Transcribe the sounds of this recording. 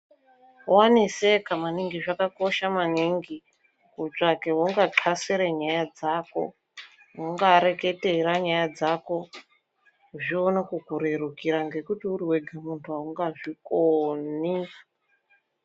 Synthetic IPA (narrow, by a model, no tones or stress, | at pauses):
wanisekamaniŋɡiʐakako̞ʃamaniŋɡi | kut͡ʂake̞wuŋɡaǃʰaseɾeɲajad͡zaːko̞̰ | muŋɡaɾe̞ke̞teɾaɲajad͡zako̞ | ʐionekukuɾerukiɾaŋɡe̞kutiuɾiwe̞ɡʱamuntʰuauŋɡaʐikoni